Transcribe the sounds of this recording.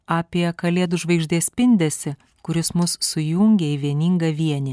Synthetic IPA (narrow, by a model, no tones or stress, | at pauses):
ɑːpʲiɛkɐlʲeːd̪ʊʒʋɐɪɡʒʲd̪ʲiːsʲpʲɪnʲd̪ʲɛsʲɪ | kʊɾʲɪsmʊsːʊjʊŋʲɡʲɛɪʋʲiɛnʲiːŋɡɐʋʲiɛnʲɪ